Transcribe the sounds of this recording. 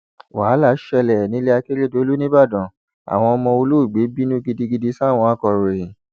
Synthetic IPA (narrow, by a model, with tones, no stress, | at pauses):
waː˨˦la˦˨˦ʃɛ˧lɛ˨nĩ˨˦le˦a˧ke˦ɾe˦do˨˦lu˦nĩ˦ba˦˨dɔ̃˨ | a̰˨w̃ɔ̃˧ɔ˧mɔ̃˧o˧lu˦˨ɡ͡be˨˦bi˦nũ˦ɡi˧di˧ɡi˧di˧˦sa˦˨w̃ɔ̃˧a˦kɔ˧ɾe˨